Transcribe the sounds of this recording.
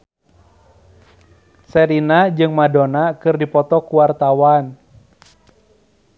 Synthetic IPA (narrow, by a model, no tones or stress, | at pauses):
sɛɾinad͡ʒɨŋmadonakɨrdipɔt̪ɔkuwart̪awan